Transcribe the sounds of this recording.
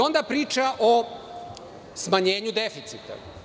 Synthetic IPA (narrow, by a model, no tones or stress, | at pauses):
o̞nd̪apɾiːt͡ʃaʔo | smaɲe̞ːɲud̪efit̪sit̪a̰